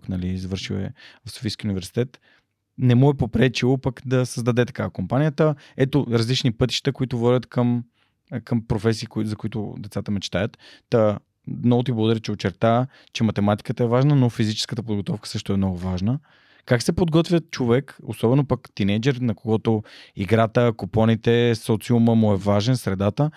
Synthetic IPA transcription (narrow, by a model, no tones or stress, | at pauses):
knɐlizvɤɾʃiwɛ̰vɐfso̥fiskiunivɛɾsi̥t̪ɛt̪ | nɛmuɛpopɾɛt͡ʃilˠopɐkd̪ɐsəzd̪ɐd̪ɛt̪ɐ̥kakompanijət̪ə | ɛt̪oɾɐzlit͡ʃnipɤt̪i̥ʃt̪əkoit̪ʊvɔɾjət̪kəm | kəmpɾofɛs̬iːkzɐkʊit̪ʊ̰d̪ɛt̪sat̪əmɛt͡ʃɛ̥t̪ajət̪ːə | mnɔɡʊt̪̬iblˠɐɡʊd̪ɐɾit͡ʃɛot͡ʃɛɾt̪a | t͡ʃɛmɐt̪ɛmat̪i̥kət̪əɛvaʒnənofizit͡ʃɛ̥skət̪əpod̪ɡot̪ɔfkə̥sɤʃt̪oɛmnɔɡʊvaʒnə | kaksɛpod̪ɡɔt̪vʲjət͡ʃovɛko̰sɔbɛnopəkt̪inɛd͡ʒɛɾnɐkoɡɔt̪oiɡɾat̪əkopɔnit̪ɛsɔt̪siuməmuɛvaʒɛnsɾɛd̪at̪ə